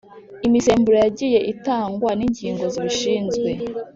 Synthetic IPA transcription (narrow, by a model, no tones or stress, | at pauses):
imise̞ːmbuɾojaɟije̞ʔitaːŋɡwaniɲɟiːŋɡo̞ziβiʃiːnzɡwe̞